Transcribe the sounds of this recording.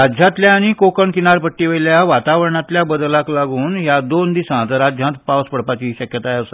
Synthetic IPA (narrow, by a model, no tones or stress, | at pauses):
ɾad͡ʑʱjãt̪ljaːɽ̃ikokəɳkinaɾpəʈːiʋəljaʋat̪aʋəɾɳat̪ljabəd̪laklaɡuːnɦjad̪ond̪isãt̪əɾad͡ʑʱjãt̪pawspəɽpat͡ɕiɕəkjət̪ajəsə